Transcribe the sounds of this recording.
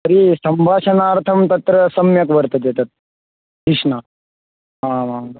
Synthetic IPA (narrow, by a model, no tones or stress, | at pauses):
ɐɾisɐmbʱaːɕɐnaːɾt̪ʰɐmt̪ɐt̪ɾɐsɐmjɐkʋɐɾt̪ɐd̪et̪ɐt̪̚ | d̪iʂɳa | ãʋa